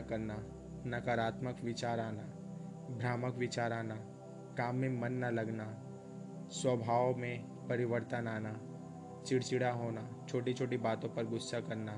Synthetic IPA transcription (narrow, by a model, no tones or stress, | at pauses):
kɐɾna | nɐkaɾaːt̪məkʋɪt͡ʃaːɾaːna | bʱɾaːməkʋɪt͡ʃaːɾaːna | kaːmːẽmɐnːalɐɡna | swəbʱaːʋmẽ | pɐɾɪʋəɾt̪ənaːna | t͡ʃɪɽt͡ʃɪɽaɦoːnat͡ʃʰoːʈit͡ʃʰoːʈibaːt̪õpɐɾɡʊsːakɐɾna